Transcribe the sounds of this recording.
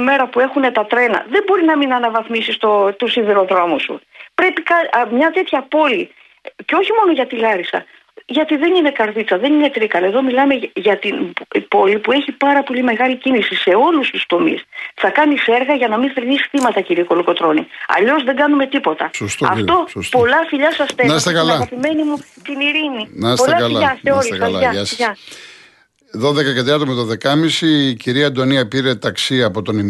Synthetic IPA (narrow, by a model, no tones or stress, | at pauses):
me̞ɾɐpue̞xune̞t̪ɐt̪ɾe̞nɐ̰ðembo̞ɾinɐminɐnɐvɐθmisist̪ot̪osiðeɾo̞ðɾo̞musṵpɾe̞pikɐmɲɐt̪e̞t̪çɐpo̞li | ceo̞çimo̞no̞ʝɐt̪ilɐɾisɐ̰ | ʝɐt̪iðe̞nine̞kɐɾðit͡sɐðe̞nine̞t̪ɾikɐleðo̞milɐme̞ʝɐt̪inpo̞lipue̞çipɐɾɐpo̞lime̞ɣɐlicinisise̞o̞lust̪ust̪o̞mḭsθɐkɐnife̞ɾɣɐʝɐnɐminθeɾnisi̥θimɐt̪ɐciɾiko̞luko̞t̪ɾo̞niɐ̰ʎo̞szðe̞ŋɡɐnume̞t̪ipo̞t̪ɐsost̪ɐ̰fo̞sost̪po̞lɐfiʎɐsɐst̪enɐsst̪ekɐlɐɣɐpime̞nimut̪iniɾininɐsolɐɐlɐɐseoɾiskɐlɐɐɐsɐ | ðoðekɐkɐt̪ɾiɐt̪omɐt̪oðe̞kɐmisiːciɾiɐd̪oniɐpiɾe̞t̪ɐksiɐpo̞t̪o̞nim